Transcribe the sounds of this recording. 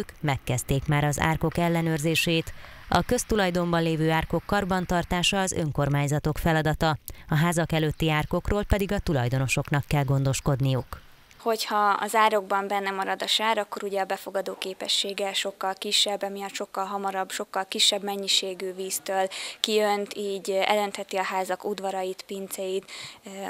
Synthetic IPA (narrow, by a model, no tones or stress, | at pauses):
kmɛkːɛst̪eːkmaːɾɒza̰ːrko̞kɛlːɛnøːrzeːʃeːt̪ɒkø̞st̪ulɒjd̪o̞mbɒnleːvøːaːrko̞kːɒrbɒnt̪ɒrt̪aːʃɒːzø̞̰ŋko̞rmaːɲzɒt̪o̞kfɛlɒd̪ɒt̪ɒɒɦaːzɒkɛløːt̪ːiaːrko̞kroːlpɛd̪iɡɒt̪ulɒ̰jd̪o̞no̞ʃo̞knɒkːɛlɡond̪o̞ʃko̞d̪nijuk | ho̞chɒɒ̰zaːɾo̞ɡbɒmbɛnːɛmɒɾɒd̪ɒʃaːɾɒkːo̞ɾuɟɛɒbɛfo̞ɡɒd̪oːkeːpɛʃːeːɡɛʃo̞kːɒlkiʃːɛbːɛmijɒt̪ʃo̞kːɒlɦɒmɒɾɒbʃo̞kːɒlkiʃːɛbmɛɲːiʃeːɡyːviːst̪øːlkijønt̪iːɟɛ̰lø̞nt̪hɛt̪iɒɦaːzɒkud̪vɒɾɒjit̪pint̪sɛjit̪